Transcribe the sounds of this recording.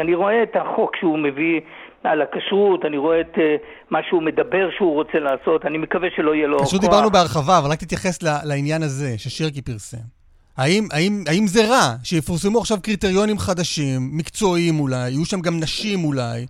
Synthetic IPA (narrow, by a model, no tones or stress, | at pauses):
aniʁo̞eːt̪haχo̞kʃeumevi | alakaʃʁutaniʁo̞eet̪e | maʃeume̞d̪abe̞ʁʃeuʁo̞t͡selaːso̞tanimekaveʃelo̞ijelokkaʃʁut̪d̪ibaʁnubeaʁχavavalʁak̚t̪it̪jaχe̞slalainjanaze̞ʃeʃiʁkipiʁse̞̰m | haimaimaimze̞ʁaʃejefuʁsemuaχʃavkʁit̪eʁjo̞nimχad̪aʃimːikt͡so̞imulajajuʃamɡamnaʃimulaj